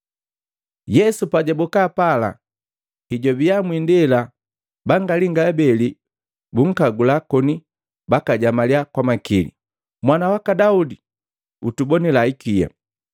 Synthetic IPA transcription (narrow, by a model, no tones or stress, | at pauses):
jɛsupaɟabɔkapala̰ | hiɟɔbijamwindɛla | baŋɡaliŋɡabɛli | buŋ̩kaɡulakɔni | bakaɟamaliakwamakilḭ | mwanawakadaudi | utubɔnɛlaikija̰